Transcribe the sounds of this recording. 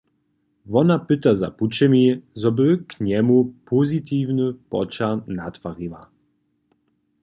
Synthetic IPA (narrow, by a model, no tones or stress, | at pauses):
vɔnapɪt̪aza̰put͡ʃɛmʲizɔbɨkɲɛmupʰuzʲit̪iːvnɨpɔ̰t͡ʃanat̪faʁiva